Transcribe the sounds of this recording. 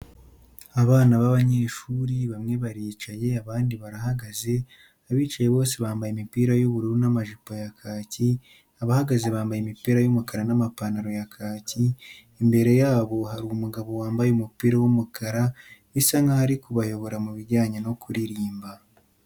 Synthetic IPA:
aβaːnaβaβaɲeːʃuːɾiβamŋe̞βaɾiːt͡ʃaje̞aβaːndiβaɾahaɡaze̞ | aβiːt͡ʃaje̞βo̞ːseβaːmbajemipiːɾajuβuɾuɾunamaʒipojakʰaːci | aβahaɡaze̞βaːmbajemipiːɾajumukaɾanamapanaɾo̞jakʰaːciː | mbe̞ɾe̞jaːβo̞haɾuumuɡaβo̞waːmbajeumupiːɾawumukʰaɾaβisaŋɡahaɾikuβajo̞βo̞ɾamuβiɾɟaːɲeno̞kuɾiɾiːmba

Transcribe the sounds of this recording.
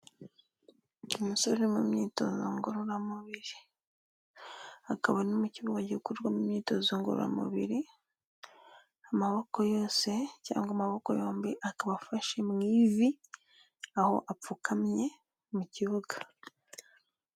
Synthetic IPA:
omusoɾeɾimumɲiːto̞̰zo̰ŋɡoɾuɾamuβiɾi | akaβanomuciβuɡaɟikuɾɡwamumɲiːtozoŋɡo̰ɾṵɾa̰mṵβḭɾi | amaβo̞ko̞jo̞ːse̞ca̰ːŋɡamaβo̞ko̞̰jo̞ːmbiʔakaβafaʃemŋiːvi | aho̞̰ʔap͡fukʰamɲe̞ | muciβuɡa

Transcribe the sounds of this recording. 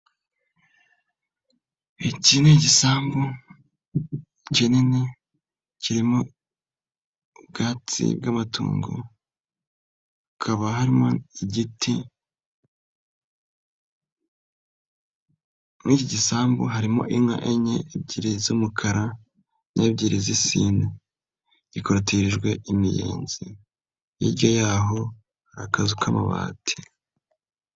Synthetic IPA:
icineɟisaːmbo | cenine | ciɾimo̞ | bɡaːt͡sḭbɡamatṵːŋɡo̰ | kʰaβaɦaɾimoiɟitʰi | niciɟisaːmbo̰ɦaɾimo̞̰ʔimŋa̰ʔeɲeebɟiːɾizumukʰaɾa | nʔeːβɟiːɾizisiːna | ɟikoɾatiɾiʒɡwe̞ʔimije̞̰ːnz̥i | jḭɾɟojaːɦo̞ | akazukʰama̰βa̰ːtʰi̥

